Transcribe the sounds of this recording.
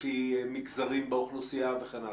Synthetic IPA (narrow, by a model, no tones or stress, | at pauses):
imikzaʁimbeoχnusiaveχena